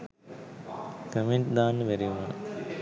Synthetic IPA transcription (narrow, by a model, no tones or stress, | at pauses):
kəmeɳʈd̪aːnːəʋæɾiuna